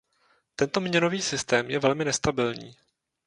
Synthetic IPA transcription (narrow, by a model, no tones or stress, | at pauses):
t̪ɛnt̪omɲɛno̞viːsɪst̪ɛːmjɛvɛlmɪnɛst̪abɪlɲḭː